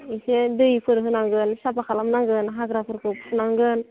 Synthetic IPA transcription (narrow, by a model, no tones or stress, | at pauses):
isedɯjpʰɯɾɦɯnaŋɡɯnsapakalamnaŋɡɯnɦaɡɾapʰɯɾkupʰunaŋɡɯn